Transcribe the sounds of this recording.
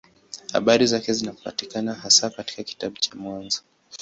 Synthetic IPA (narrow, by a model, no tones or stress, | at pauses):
ha̰ɓaɾizakɛzinapa̰tikanahasakati̥kaki̥taɓut͡ʃamwanzɔ